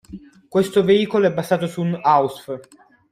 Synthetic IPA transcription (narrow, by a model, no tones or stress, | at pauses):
kwest̪oveiːkoloɛbːazaːt̪osunawsf